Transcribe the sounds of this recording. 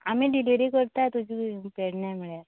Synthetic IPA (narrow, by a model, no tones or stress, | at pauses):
amiɖiliɾikəɾt̪ajt̪ud͡ʑʱipeɽɳjamiɭjaɾ